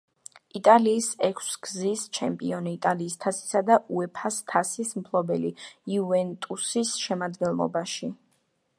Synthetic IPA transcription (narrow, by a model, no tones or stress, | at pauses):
it̪ʼaliːsɛkʰsɡ̥zist͡ʃʰɛmpʼiɔniːt̪ʼaliːst̪ʰasi̥sad̪aʔuɛpʰast̪ʰasismpʰlˠɔbɛlḭiuvɛnt̪ʼusisʃɛmad̪ɡɛnlˠɔ̰baʃi